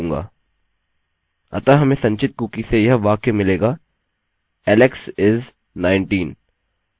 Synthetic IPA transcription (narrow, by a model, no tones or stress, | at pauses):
ŋɡa̰ː | ɐ̰t̪aɦɐmẽsɐ̃ɲt͡ʃɪt̪̚kuːkisejɐɦʋaːkemɪleːɡaː | ɛːleksɪz | naːɪɳʈiːn